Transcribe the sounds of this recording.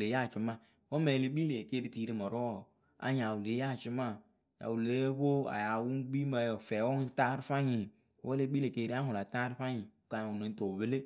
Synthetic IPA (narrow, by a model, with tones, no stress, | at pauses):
le˨˦ja˦˨t͡ʃi˦ma˦˨ | wo˦me˨le˦bi˦le˨ke˦ɾi˦ti˨˦ɾi˦mɔ˨ɾo˦˨ | a̰˨ɲa˨wu˨le˨˦a˦˨t͡ʃɪ˦ma˦˨ | ja̰˨wu˨le˨˦ɸo˦a̰˨ja˨wu˦ŋɡ͡bi˦ma˨jo˨fɛ˨˦wɔ˦ŋ˦ta˦ɾfa˦ɲi˨˦ | wo˦le˦bi˦le˨ke˦ɾi˦a˦hʊ˨la˨ta˦ɾfa˦ɲi˨ka˨u˨ne˨n˦to˨βe˦le˦